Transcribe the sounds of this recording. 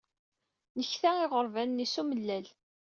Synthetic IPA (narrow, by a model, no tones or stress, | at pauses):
nəçθæɪʁəɾˤvænːisuməlːæl